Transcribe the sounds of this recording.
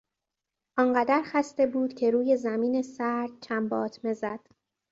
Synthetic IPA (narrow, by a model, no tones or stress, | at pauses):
ʔɒnɢæd̪æɾxæst̪e̞buːd̪̥cʰe̞ɾuːje̞zæmiːne̞sæɾd̪̥̚t͡ʃʰæmbɒːt̪ʰme̞zæd̪̥